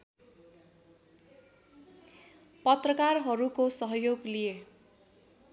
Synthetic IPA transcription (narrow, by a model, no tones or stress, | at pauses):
pʌt̪rʌkarɦʌɾukosʌɦʌjoɡlije